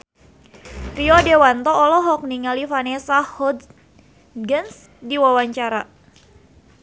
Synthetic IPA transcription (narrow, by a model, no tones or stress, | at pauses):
riɔdewant̪ɔːlɔɦɔk̚niŋalifanesahhɔd | ɡəns | diwawaɲt͡ʃaɾa